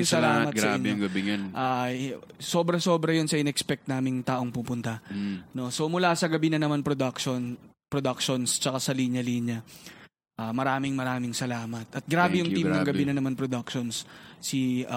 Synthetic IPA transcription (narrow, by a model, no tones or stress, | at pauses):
ŋsɐlaːmɐtɡsɐaɪnjʊŋɡɐbiŋɐnʔaː | so̞ːbɾɐso̞ːbɾɐjonsɐʔɪnɛkspɛk̚t̪naːmɪŋt̪aːʔo̞ŋpupʊnt̪ɐno̞so̞mʊlaːsɐɡɐbinɐnɐmanpɾod̪ɐkʃon | pɾod̪ɐk̚ʃonst͡ʃɐkasɐliɲɐliɲɐ | ʔaːmɐɾaːmɪŋmɐɾaːmɪŋsɐlaːmɐt̪̚ʔɐt̪̚ɡɾaːbɛjʊŋt̪imnɐŋɡɐinɐnɐmanpɾod̪ɐk̚ʃonssi